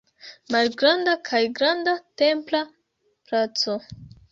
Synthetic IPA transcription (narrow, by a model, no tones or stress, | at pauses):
malɡɾandakʰajɡɾandate̞mpla | plat͡so̞